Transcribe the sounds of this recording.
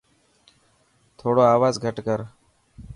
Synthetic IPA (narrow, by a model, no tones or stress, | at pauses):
t̪ʰoːɽoːaːʋaːzɡʱəʈkəɾ